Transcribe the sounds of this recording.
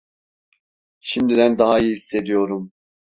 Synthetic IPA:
ʃimd̪id̪ænd̪ɑɦɑijiɦisːe̞d̪ijoɾum

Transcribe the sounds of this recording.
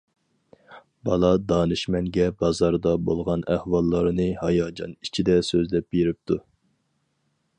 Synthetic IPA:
bɑlˠɑd̪ɑːnɨʃmɛŋɡʲɛbɑzɑɾd̪ɑbolˠʁɑnæhwɑlˠːɑɾnɨhɑjɑːd͡ʒɑ̰nit͡ʃʰid̪ɛsøzlɛp̚beɾɪp̚t̪ʰu

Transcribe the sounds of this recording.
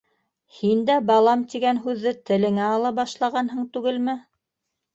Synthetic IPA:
hind̪æbɑlˠɑmt̪iɡænɦʉðːɘt̪ɘ̆lɘ̆ŋæɑlˠɑbɑʃlˠɑʁɑnɦɤɴt̪ʉɡɘlmɘ

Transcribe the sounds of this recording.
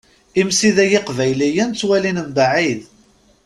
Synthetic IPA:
imsiðæjɪqvæjlijænt͡sːwælinəmbaʕið

